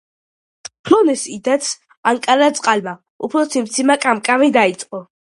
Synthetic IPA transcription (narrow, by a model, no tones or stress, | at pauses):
pʰlɔnɛsid̪at̪sʰ | aŋkʼaɾat̪sʼqʼalma | upʰɾɔsimt̪sʰimakʼamkʼavid̪ait̪sʼqʼɔ